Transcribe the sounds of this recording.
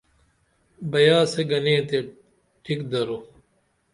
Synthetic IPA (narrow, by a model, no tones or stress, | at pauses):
bɐjaːseɡɐnẽːt̪e | ʈʰikd̪ɐɾo